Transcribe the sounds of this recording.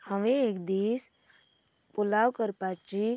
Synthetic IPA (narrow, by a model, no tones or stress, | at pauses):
həʋẽeːkd̪iːs | pʊlaːwkəɾpaːt͡ʃi